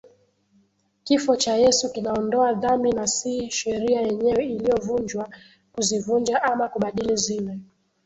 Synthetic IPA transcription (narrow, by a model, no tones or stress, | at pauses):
kifɔt͡ʃajɛsukinaɔndɔaðambinasiʃɛɾiajɛɲɛwɛilijɔvuɲd͡ʒwa | kuzivund͡ʒaʔamakuɓaɗilizilɛ